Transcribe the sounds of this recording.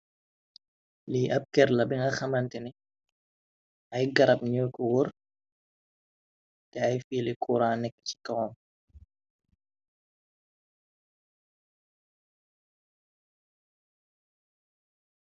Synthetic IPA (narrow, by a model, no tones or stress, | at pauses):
liʔɐp̚kɛɾlɐbiŋɡɐxɐmɐntɛni | ʔɐjɡɐɾɐp̚ɲəːkɔwɔr | tɛɐjfiːlikʰuːɾaːnːɛkːə̥ci̥kɔwɔm